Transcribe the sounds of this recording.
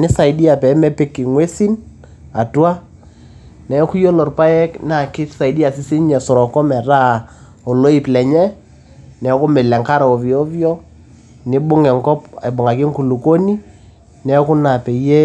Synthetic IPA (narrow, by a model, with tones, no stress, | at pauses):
nɪ˦sa˨ɪ˨di˦a˨pɛ˨˦mɛ˦pɪ˦kɪ˨ŋwɛ˦si˦n | a˨twa˦ | nɛ˨˦kʊ˦jo˦lɔ˨rpa˦jɛ˦kna˨kɪ˦sa˨i˨di˦a˨sɪ˦sɪ˦ɲɛ˨sɔ˨ɾɔ˨kɔ˦mɛ˨ɾa˦˨ | ɔ˨lo˦i˨plɛ˨ɲɛ˦ | nɛ˨˦kʊ˦mɪ˨lɛ˨ŋka˦ɾa˨ɔ˨vjɔ˦vjɔ˦ | nɪ˦bʊ˦ŋɛ˨ŋkɔ˦pɪ˨bʊ˨ŋa˨k̬ɪ˦ŋku˨lu˨ko˦ni˦ | nɛ˨˦kʊ˦na˨pɛ˨˦jɛ˦